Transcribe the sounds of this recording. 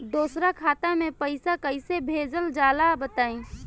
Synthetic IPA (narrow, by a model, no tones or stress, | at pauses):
d̪osɾakʰaːt̪amẽpəɪsakəɪsebʱed͡ʒəld͡ʒaːlabət̪aːĩ